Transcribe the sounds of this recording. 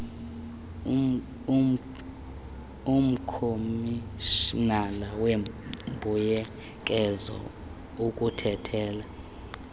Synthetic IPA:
um̩kʰomiʃnalawembʱujɛ | kʼɛzɔ̰ | ukʼutʰɛtʰɛːla

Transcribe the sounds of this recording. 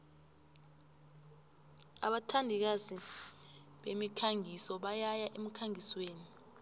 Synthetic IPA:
a̰ɓatʰandʱik̬azi | ɓemikʰaŋisɔɓajajaʔem̩kʰaŋisweːni

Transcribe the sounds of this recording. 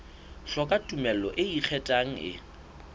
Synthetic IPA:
ɬɔkʼatʼumɛllɔʔɪik͡xʰɛtʼaŋ̩ɪ̰

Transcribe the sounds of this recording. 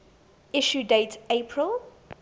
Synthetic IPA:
ɪʃudeɪtʰepʰɹəl

